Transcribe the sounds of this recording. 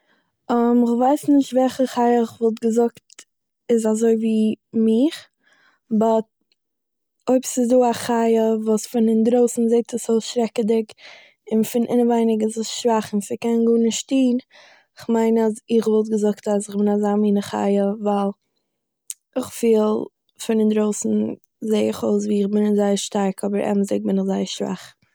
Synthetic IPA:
ɔmɪχvaɪsnɪʃtvɛlχəχaɪəɪχvɔlˠt̬ɡəzʊkt | ɪzazoɪviːmɪχ | bɔt | oɪpsɪzduːaχaɪəvuːsfɪnɪndɾoʊsn̩zeɪk̚təsoʃɾɛkədɪk | ɪnfɪnʔɪnəvaɪnɪɡɪzɪsʃvaχɪnsɪkɛnɡuːnɪʃtiːn | ɪχmaɪnazɪχvɔlˠt̬ɡəzʊktas̬ɪχbɪnazaːmiːnəχa̰ɪəvalˠ | ɪχfiːlˠ | fɪndɪndɾoʊsn̩ | zeɪɪχoʊs̬viːɪχbɪnɪzaɪəɾʃtaɾkʰɔbəɾʔɛ̰bmzeɪk̚bɪnɪχzaɪəʃv̥a̰χ

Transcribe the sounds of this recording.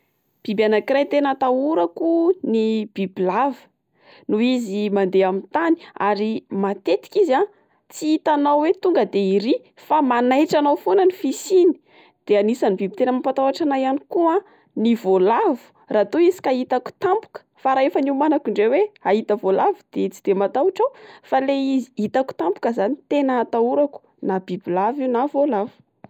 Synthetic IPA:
b̥ibanakirajt̪enət̪auɾakunib̥ibilavə̥ | nuizimand̪eamint̪ani̥aɾimat̪et̪i̥kʲiza | t͡siit̪anawwet̪uŋɡəd̪eiɾi | famanajʈ͡ʂanawfonənifisini̥ | d̪̥eanisanibibit̪enəmapat̪awaʈ͡ʂanajanikua | nivolavu̥ | rat̪uizi̥kait̪aku̥t̪ampu̥kə̥faɾaefaniumanakiɳɖ͡ʐeweait̪əvolavud̪̥et͡si̥d̪̥emat̪aʈ͡ʂawfaleizi̥it̪aku̥t̪ampu̥kəzanit̪enət̪auɾaku̥ | nabibilaviwnavolavu̥

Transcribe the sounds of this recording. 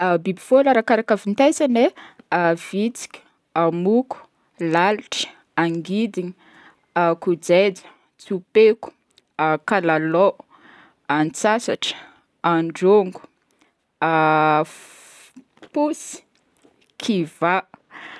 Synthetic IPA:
bibifolaɾakaɾakavint̪ejzane | v̥it͡si̥kʲ | amuku̥ | laliʈ͡ʂə̥ | aŋɡid̪iɲi | kud͡zed͡zə̥ | t͡supeku̥ | kalalo | ant͡sasaʈ͡ʂə̥ | aɳɖ͡ʐoŋɡu̥ | pusi̥ | kʰiva

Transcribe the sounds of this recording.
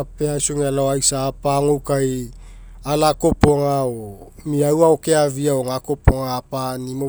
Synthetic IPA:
apeasoŋealaoajsaːpaŋowkaj | alako̞po̞ŋao | miawaoke̞aviaoŋako̞poŋaːpanimo

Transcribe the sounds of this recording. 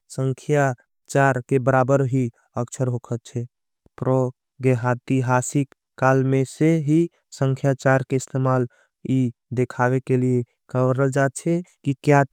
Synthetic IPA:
səŋkʰja | t͡ʃaɾkebəɾabəɾɦi | əksʰəɾɦokʰət̪̚t͡ʃʰɛ | pɾɔ | ɡeɦat̪iɦasikːalmeseɦi | sə̃ŋkʰjat͡ʃaɾkeɪst̪ʰemal | id̪ekʰabekelie | kəbɾəld͡ʒat̪̚t͡ʃʰɛkikja

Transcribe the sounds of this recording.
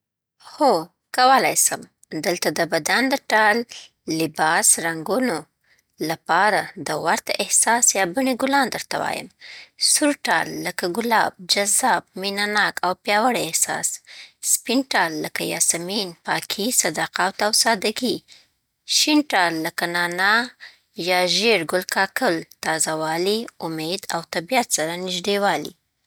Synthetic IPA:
ho | kawəlajsəm | d̪əlt̪ad̪əbad̪and̪əʈɑlː | ɪbɑsɾaŋɡuno | lapɑɾad̪əwaɾt̪aʔɪhsɑsjɑbəɳiɡʊlɑnd̪əɾt̪awɑ̰jə̰msuɾʈɑ̰lːakaɡʊlɑb̚d͡ʒazɑbminanɑkʰawpjɑwaɽaɪhsɑ̰sspinʈɑlːəkajɑ̰saminpɑkʰisad̪aqawt̪awsɑd̪aɡi | ʃinʈɑlːakanɑna | jɑʒeɾɡʊlkɑkəlt̪ɑzawɑliʊmed̪awt̪abijat̪saɾanɪʒd̪ewɑlḭ

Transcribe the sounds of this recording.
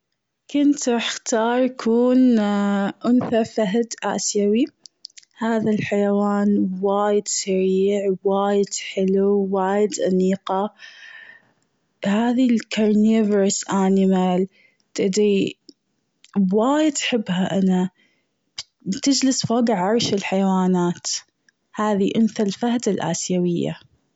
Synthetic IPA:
kʊnt̪ʔɪxt̪ɑːɾˤjakʰuːn | ʔʊnθafaɦd̪ʔa̰ːsjawi | haːðalħajawaːnwaːjɪd̪saɾiːʕwaːjɪd̪̥ħɪluwaːjɪd̪ʔaniːqa | haːðilkaɾneːvəɾsʔaːnɪmal | t̪ɪʔd̪ɾi | waːjɪd̪ħɪbːhaʔana | b̥ | t̪ɪd͡ʒlɪsfaːɡaʕʕɑɾˤʃɪlħajawaːnaːt̪ | haːðiʔʊnθalfahd̪alʔa̰ːsjawɪjːa̰

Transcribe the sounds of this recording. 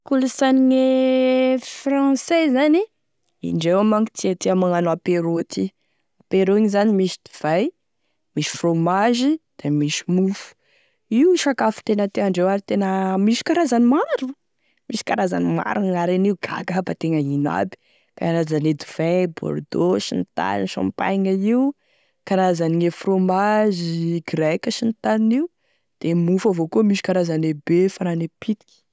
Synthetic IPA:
kulusaniŋe | fɾɑ̃sezani | ḭɳɖ͡ʐewamaŋki̥t͡s̪iat̪iamaŋanapeɾoat̪i | apeɾoiɲizanimiʃi̥d̪i̥v̥aj | miʃi̥fromaʒid̪̥emiʃi̥mufu̥ | iwʃakafu̥t̪enət̪eaɳɖ͡ʐewaɾit̪enəmiʃi̥kaɾazanimaɾu | misi̥kaɾaza̰nima̰ɾuŋaɾeniuɡa̰ɡapat̪eŋəina̰bi̥ | peanazaned̪uv̥ɛ̃bo̰ɾd̪oʃinit̪a̰ninʃã̰mpa̰jŋaiw | kaɾazaniŋefromaziɡɾekʲəʃint̪aniniu | d̪̥emufavokuəmiʃi̥kaɾazanebefananepit̪i̥kʲi̥

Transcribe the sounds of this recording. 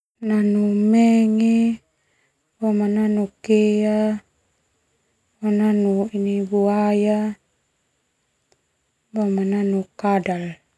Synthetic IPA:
nanumɛŋɛ | bamananukea | bananuinibuaja | bamananukadal

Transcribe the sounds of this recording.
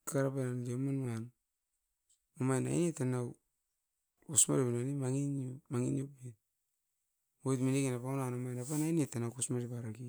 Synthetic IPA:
kaɾapanandiomanwan | umajna̰inetanaw | usma̰ɾipinanimaŋinomaŋinjopi | ojtminikinapaunanumajnapanajnetːanawkusmaɾipaɾaki

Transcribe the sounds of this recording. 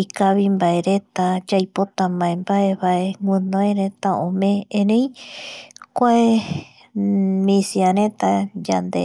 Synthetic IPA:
ikaβimbaeɾet̪ad͡ʒajpot̪amãẽmbaeβaʔeŋɡʷɨ̃nõeɾet̪aõmẽẽɾẽj̃ | kʷae | mĩsiaɾẽt̪ad͡ʒa̰nd̪ḛ

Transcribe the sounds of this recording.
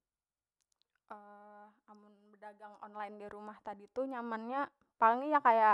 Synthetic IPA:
ʔə | amʊnbədaɡaŋɔnlaɪndiɾumaht̪adit̪uɲamanɲa | paləŋijakaja

